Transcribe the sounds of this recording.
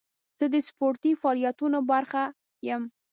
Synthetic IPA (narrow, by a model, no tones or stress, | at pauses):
z̥əd̪əspoɾt̪ifɑlijat̪unobaɾxa | jəm